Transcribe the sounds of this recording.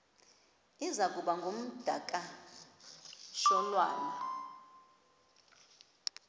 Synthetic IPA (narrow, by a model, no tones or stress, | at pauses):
izakʼuɓaŋɡʱom̩d̥ʱakʼa | ʃɔlwa̰ːla